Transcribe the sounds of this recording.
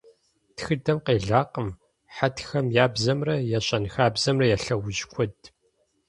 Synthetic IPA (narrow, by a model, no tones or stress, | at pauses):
txɨdɐmqeːɮaːqəm | ħatʰxɐmjaːbzɐmrɐjɛɕʼɐnxaːbzɐmrɐjɛɬɐwʊʒkʷʰɔd